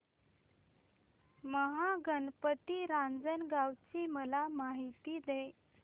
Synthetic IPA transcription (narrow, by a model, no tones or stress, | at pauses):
məɦaɡənpət̪iɾãnd͡zənɡawt͡ɕiməlamaɦit̪iːd̪e